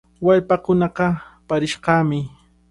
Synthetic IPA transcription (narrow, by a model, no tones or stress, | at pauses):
waʎpakʊnɑqɑpaɾɪʃqɑːmɪ